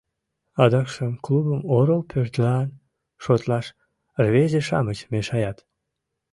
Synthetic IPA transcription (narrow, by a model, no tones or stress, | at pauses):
ɑd̪ɑkʃəmklubəmoɾəlpʰørt̪lɑn | ʃot̪lɑʃ | rβezeʃɑ̰mət͡ɕmeʃɑjɑt̪